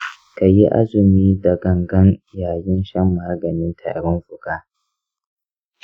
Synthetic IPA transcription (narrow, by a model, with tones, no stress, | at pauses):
ka˨ji˦ʔa̰˦zɪ˨miː˦dɐ˨ɡɐ˨ŋɡɐ˦n˨jaː˨jɪ˦nʃɐ˦mːaː˦ɡɐ˨nɪ˦ntʰa̰ː˨ɽʊ˦nɸʊ˨kaː˦